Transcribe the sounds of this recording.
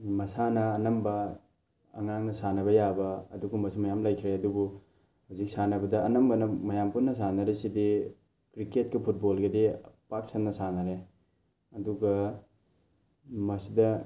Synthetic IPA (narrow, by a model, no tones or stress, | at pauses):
mɐsanɐːnɐmbɐ | ɐ̰ŋaŋnɐsanɐβɐjabɐːduɡɐmɐsimɐjamlajkʰɾeɐdubu | hawzik̚sanɐbɐdɐːnɐmbɐnɐmɐjampunːɐs̬anɐɾisidi | kɾiket̚kipʰut̚bolɡɐdipak̚sennɐsanɐɾe | ɐduɡɐ | mɐsidɐ